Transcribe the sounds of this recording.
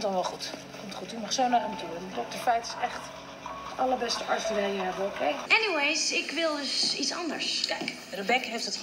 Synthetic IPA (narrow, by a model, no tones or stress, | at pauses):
mtdɔnʋɛlˠχut | kɔmtχutymɑχsownaɾamətyːrəndədəfɛjtɪ̥sɛχt | ɑləɹbɛstəʔɑɹstəɾejjəɛbəokʰejɛniwejsɪkʋɪlˠdəsitsɑ̰ndə̰ɹskɛjk | rəbɛkəɦeftdət